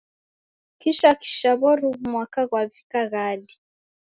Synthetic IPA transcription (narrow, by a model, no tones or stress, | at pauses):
kiʃaki̥ʃaβɔɾuβumwakaɣwavikaɣadi